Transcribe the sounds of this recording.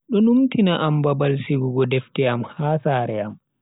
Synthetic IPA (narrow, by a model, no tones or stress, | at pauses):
ɗɔnumtʰinaʔambabalsiɡuɡɔdɛftɛamhaːsaːɾɛam